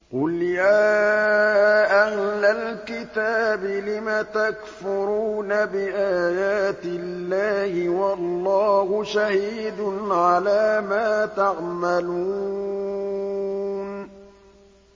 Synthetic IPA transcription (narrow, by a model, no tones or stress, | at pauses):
qʊljaː | ʔahlalkɪt̪aːbɪlɪmat̪akfʊɾuːnabɪʔaːjaːt̪ɪlːaːhɪwɑlˤːɑːhʊʃahiːd̪ʊnʕalaːmaːt̪aʕmalu | n